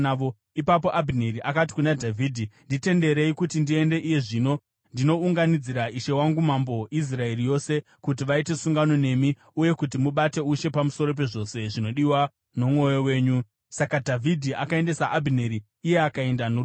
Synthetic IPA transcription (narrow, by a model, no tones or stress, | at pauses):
ʋo | ipap̬o̞ʔabʱineɾiʔakat̬i̥kunadʱavʱiːdʱindite̞nde̞ɾe̞ikutindie̞nde̞ʔije̞ʐino̞ | ndino̞uŋɡanid͡ziɾaʔiʃe̞waŋɡumambo̞is̬rae̞rijo̞se̞ | kut̬iʋaite̞suŋɡano̞ne̞mi | uje̞kutimuɓate̞uʃe̞pamuso̞ɾo̞p̬e̞ʐo̞se̞ʐino̞ɗiwa | no̞mwo̞jowe̞ːɲu | sakadʱavʱidʱiʔakae̞nde̞saʔabʱineɾiː | je̞akae̞ndanu